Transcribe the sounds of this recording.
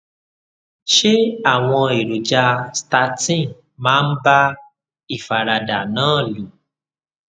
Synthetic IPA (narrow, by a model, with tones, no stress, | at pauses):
ʃe˦a˦˨w̃ɔ̃˧e˨ɾu˨d͡ʒa˧sta˧˦tĩ˦˨ | mãː˦˧˦n̩˦ba˦ | i˦˨fa˨ɾa˨da˨nãː˨˦˨lu˨